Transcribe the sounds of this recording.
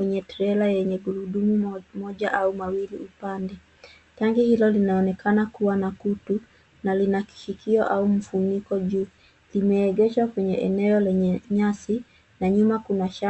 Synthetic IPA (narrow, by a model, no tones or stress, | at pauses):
kwɛɲɛtɾɛlajɛɲɛɡuɾuɗumumɔʄaʔaumawilḭʔupandɛ | taŋɡihilɔlinaɔnɛkanakuwanakutu | nalinaki̥ʃikiɔʔaum̩funikɔʄuː | limɛːɡɛʃwakwɛɲɛʔɛnɛɔlɛɲɛɲasi | naɲumakunaʃa